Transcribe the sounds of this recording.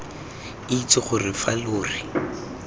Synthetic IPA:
ɪit͡sɪχʊrɪfaloːri

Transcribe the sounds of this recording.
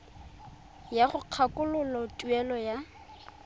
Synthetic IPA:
jaχʊq͡χʰakʼʊlʊlɔtʼuɛlɔja

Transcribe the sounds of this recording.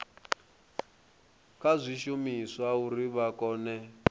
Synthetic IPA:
kʼazʷiʃumiswauɾiβakɔːnɛ

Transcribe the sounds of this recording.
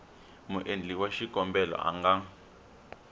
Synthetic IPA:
muʔend͡ɮiwaʃikɔmbɛlɔ̰ʔa̰ŋɡa

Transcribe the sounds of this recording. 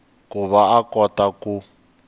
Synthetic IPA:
kuβaakɔtaku

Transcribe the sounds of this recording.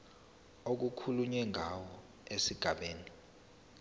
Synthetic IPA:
ok̬ukʰuluɲɛŋʱawɔ | esiɡ̥ʱaɓeːni

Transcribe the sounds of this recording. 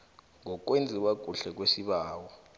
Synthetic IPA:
ŋɔk̬wend͡zʱiwaɡ̥ʱuɬɛk̬wesiɓaːwɔ

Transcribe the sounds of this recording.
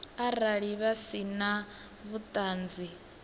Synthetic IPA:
aɾaɺiβasina | βut̪ʼaːnd͡zi

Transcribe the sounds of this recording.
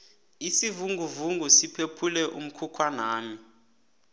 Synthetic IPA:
isivuŋɡʱuvuŋɡʱusipʰepʰulɛʔum̩kʰukʰwanaːmi

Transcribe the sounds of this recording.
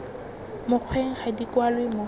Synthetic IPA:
mʊq͡χʰweŋ̩χadikwalwemʊ

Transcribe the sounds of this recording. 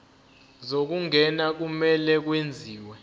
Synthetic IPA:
zok̬uŋʱɛnak̬umɛlɛk̬wend͡zʱiːwɛ

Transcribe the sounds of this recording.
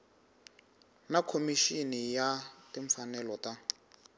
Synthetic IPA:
nakʰomiʃinijatiɱfanɛlɔta

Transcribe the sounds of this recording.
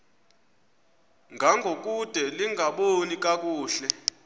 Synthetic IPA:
ŋɡʱaŋɡʱokʼud̥ʱɛliŋɡʱaɓonikʼakʼuːɬɛ

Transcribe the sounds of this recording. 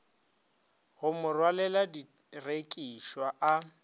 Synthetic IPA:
ɣʊmʊrwalɛladi | rekʼiʃwaʔa

